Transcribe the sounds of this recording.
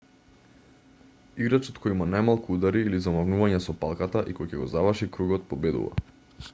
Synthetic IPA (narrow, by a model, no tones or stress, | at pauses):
iɡɾat͡ʃɔt̪kʰɔjimanajmalˠkuud̪aɾiːlizamavnuvaɲɛsɔpalˠkat̪aʔikɔjcɛɡɔzavrʃikɾuɡɔt̪̚pɔbɛd̪ṵva̰